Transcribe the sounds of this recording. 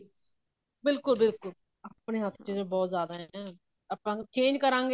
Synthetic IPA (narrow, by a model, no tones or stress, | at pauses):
bɪlkʊlbɪlkʊl | əpneːɦət̪ʰt͡ʃiːd͡ʒẽbɔːt̪zjaːd̪aɦː | pãːt͡ʃẽːɲd͡ʒkəɾãːŋɡe